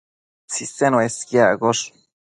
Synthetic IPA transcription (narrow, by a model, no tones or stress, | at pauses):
t͡sisenoeskjaɡoʂ